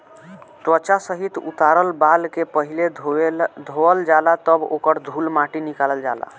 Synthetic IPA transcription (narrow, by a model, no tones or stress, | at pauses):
t̪wət͡ʃasəɦit̪ṵt̪aɾəlbalkepəɦile | d̪ʱoəld͡ʒalat̪əbo̰kəɾd̪ʱulmaʈinikaləld͡ʒala̰